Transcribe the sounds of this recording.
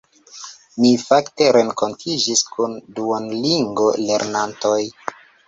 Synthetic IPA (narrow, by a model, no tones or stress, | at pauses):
nifakte̞ɾe̞ŋko̞ntʰid͡ʒiskʰunduanliŋɡo̞le̞̰ɾnantoj